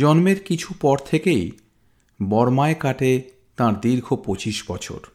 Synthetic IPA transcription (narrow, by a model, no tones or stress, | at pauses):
d͡ʑɔnmeɾkit͡ɕʰupɔɾt̪ʰekej | bɔɾmaekaʈe | t̪ãɾd̪iɾɡʱopot͡ɕiʃbɔt͡ɕʰo̰ɾ